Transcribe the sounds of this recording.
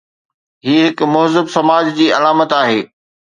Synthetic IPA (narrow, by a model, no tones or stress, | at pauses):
ɦiːɦɪkmʊɦzɪbsɐmaːd͡ʑd͡ʑiːɐlaːmət̪aːɦeː